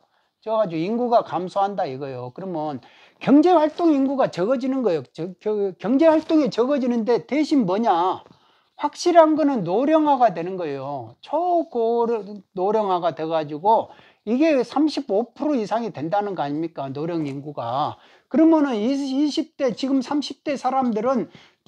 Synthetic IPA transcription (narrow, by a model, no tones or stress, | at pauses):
t͡ɕʌad͡ʑuinɡuɡakamsʰoɦandaiɡʌjokɯɾʌmjʌn | kjʌŋd͡ʑe̞ɸwaɭt͈oŋinɡuɡat͡ɕʌɡʌd͡ʑinɯnɡʌejot͡ɕkjʌŋd͡ʑe̞ɸwaɭt͈oŋet͡ɕʌɡʌd͡ʑinɯnde̞teɕʰinmʌɲa | ɸwak̚ɕ͈iɾɦanɡʌnɯnːoɾjʌŋɦwaɡadwe̞nɯnɡʌejot͡ɕʰʌkonoɾjʌŋɦaɡadwe̞ɡad͡ʑuɡo | iɡe̞sʰamɕʰibopʰuɾoisʰaŋidwe̞ndanɯnɡʌaɲimɲik͈anoɾjʌŋinɡuɡa̰ | kɯɾʌmjʌnɯniiɕʰip̚t͈e̞t͡ɕiɡɯmsʰamɕʰip̚t͈e̞sʰaɾamdɯɾɯn